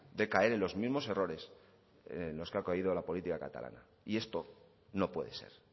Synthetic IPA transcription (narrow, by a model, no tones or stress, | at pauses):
d̪e̞kae̞ɾe̞nlo̞zmizmo̞se̞ro̞ɾe̞s | nlo̞skeakoiðo̞lapo̞lit̪ikaka̰t̪a̰lʔa̰na̰ | ie̞st̪o̞ | no̞pwe̞ðe̞se̞̰ɾ